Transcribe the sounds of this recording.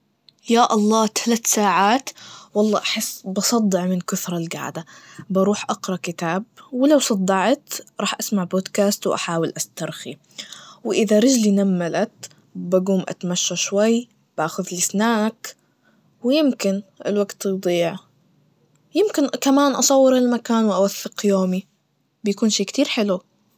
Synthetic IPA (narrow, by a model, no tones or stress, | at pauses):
jaːʔɑlˤːɑːt̪ʰalat̪saːʕaːt̪wɑlˤːɑ̰ːʔaħɪsːbɑsˤɑd̪ˤːɪʕmɪnkʊθɾˤɑlɡa̰ʕd̪abɑɾˤuːħʔɑqɾˤɑkɪt̪aːb̚wɪlawsˤɑd̪ˤːɑʕt̪ɾˤɑːħʔasmaʕboːd̪kaːst̪wʔa̰ħaːwɪlʔast̪ɑɾˤxi | wʔɪðaɾɪd͡ʒlinamːalat̪ | baɡuːmʔa̰t̪maʃːaʃwajː | b̥aːxʊðlɪsnaːʔak | wɪjɪmkɪnʔɪ̰lwaɡt̪d̪ˤiːʕ | jɪmkɪnkamaːnʔɑsˤɑwːɪɾɪlmakaːnwɪʔawaθːɪqjoːmi | bɪjakuːnʃeːkt̪iːɾħɪlu